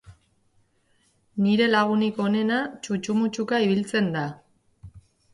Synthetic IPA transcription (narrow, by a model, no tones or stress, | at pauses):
niɾe̞laɣ̞uniko̞ne̞nat͡ʃut͡ʃumut͡ʃukaiβilt͡se̞nd̪a